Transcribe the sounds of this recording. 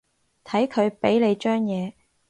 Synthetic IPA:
t̪ʰɐ˨˥jkʰɵ˨˧ɥpe˨˥jle˨˧jt͡ʃœː˥ŋjɛː˨˧

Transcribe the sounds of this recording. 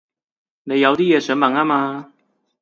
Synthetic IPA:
ne˨˧˥jɑ˨˧wt̪i˥˩jɛ˨˩sə˨˧˥nma˨˩ŋa˦˧ma˧

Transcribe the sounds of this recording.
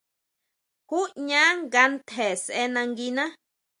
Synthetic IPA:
ku˦ʔɲã˦ŋɡa˧nt̪ʰe˨sʔe˦nã˧ŋɡi˧nã˦

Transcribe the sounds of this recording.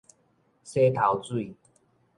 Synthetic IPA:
se˦t̪ʰa˨˦wt͡swi˥˨

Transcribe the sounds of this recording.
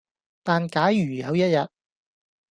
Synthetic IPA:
t̪aː˨nkaː˨˥jɥyː˨˩jɐ˨˧wjɐ˥t̚jɐ˨t̚

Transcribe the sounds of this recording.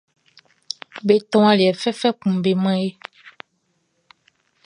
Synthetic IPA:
be˨t̪ɔ̃˦ã˦li˨ɛ˨fɛ˦fɛ˦kũ˨be˨mɛ̃˦e˦

